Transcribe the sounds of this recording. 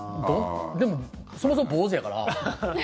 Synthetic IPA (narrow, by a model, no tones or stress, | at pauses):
d̪od̪e̞mo | somos̬omoboːz̬jakaɾa̰